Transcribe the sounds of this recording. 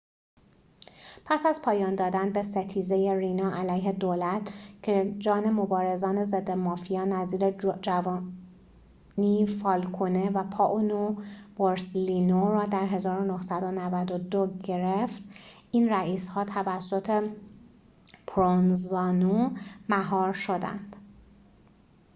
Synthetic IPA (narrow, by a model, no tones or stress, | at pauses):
pʰæsæzpʰɒːjɒːnd̪ɒːd̪ænbe̞set̪ʰiːzeje̞ɾiːnɒːʔælæjɦe̞d̪oːlæt̪ʰcʰed͡ʒɒːne̞mo̞bɒːɾe̞zɒːne̞zed̪ːe̞mɒːfijɒːnæziːɾed͡ʒævɒ | niːfɒːlkʰone̞væpʰɒːʔonovoɾslinoɾɒːd̪æɾɦe̞zɒːɾonohsæd̪onævæd̪od̪oɟe̞ɾeft̪ | iːnræʔiːshɒːt̪ʰævæsːo̞t̪ʰe | pʰɾonzɒːnomæɦɒːɾʃo̞d̪æ̰nd̪̥